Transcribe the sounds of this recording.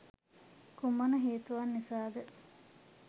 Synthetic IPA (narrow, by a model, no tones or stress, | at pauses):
kumɐnɐɦeːt̪uʋanːisaːd̪ə